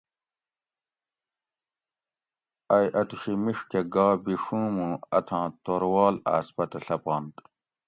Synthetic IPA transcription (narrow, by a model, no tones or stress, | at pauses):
ɐjʔɐt̪uɕimiʂkeɡaːbiʂũːmũːɐt̪ʰãːt̪oɾwɑːla̰ːspɐt̪ɐɬɐpɑːnt̪